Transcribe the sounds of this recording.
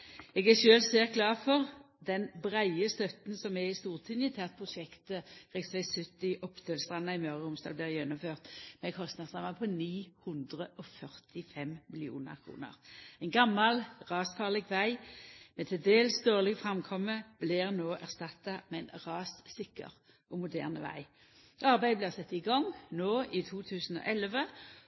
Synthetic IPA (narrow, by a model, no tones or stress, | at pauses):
ɛɡæʃøːlseːʁ̚ɡlɑːʁfɔʁ | d̪ɛnbʁæɪəst̪œt̪nsɔmɛɪst̪uːʁt̪ʰɪnjət̪ʰɛɑʁt̪̚pʰʁʊʃɛkt̪əʁɛɡsʋæɪsʉt̪ːɪʔɔpt̪ʰøːlst̪ʁɑnːɑɪmœʁəʊmst̪ɑ̰ːlblɪʁjɛnʊmføːʁt̪mɛkʰɔst̪nɑsʁɑmɑpʰɔniːhʉnd̪ʁəʔɔfœʁt̪ɪfɛmmɪlɪṵːnə̰ʁkʰʁṵːnə̰ʁɛɪnɡɑmːɑlʁɑːsfɑːʁlɛɡʋæɪmɛt̪ʰɪld̪eːlsd̪oːʁlɪɡfʁɑmkʰɔmːəb̥lɪʁnoːʔæʁst̪ɑt̪ːɑmɛnʁɑːssɪkːə̰ʁ | ʔɔmʊd̪æːʁnəʋæ̰ɪ | ɑʁbæɪblɪʁsɛt̪ːɪɡɔŋnoːʔɪt̪ʰuːt̪ʰʉːsən̩ɔ̰ʔɛlʋə